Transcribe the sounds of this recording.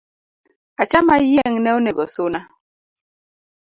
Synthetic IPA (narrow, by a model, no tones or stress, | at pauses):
at͡ʃamajɛŋnɛoneɡɔsʊna